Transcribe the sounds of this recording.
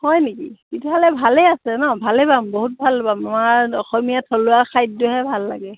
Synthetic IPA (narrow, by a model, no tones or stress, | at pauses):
hɔjnikikitʰuɦalɛbʱaleasɛnɔbʱalebamboɦut̚bʱalbamamaɹɔxɔmijatʰɔlʊakʰajt̚duɦɛbʱalːa̰ɡɛ